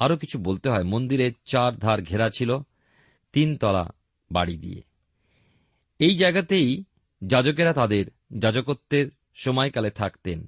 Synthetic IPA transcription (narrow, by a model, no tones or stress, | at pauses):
aɾokit͡ɕʰubolt̪eɦɔemond̪iɾeɾt͡ɕaɾd̪ʱaɾɡʱeɾat͡ɕʰilo | t̪int̪ɔla̰ | ba̰ɽid̪ḭḛ | ejd͡ʑaeɡat̪ej | d͡ʑad͡ʑok̬eɾat̪ad̪eɾ | d͡ʑad͡ʑokot̪ːeɾ | ʃɔmɔekalet̪ʰakt̪en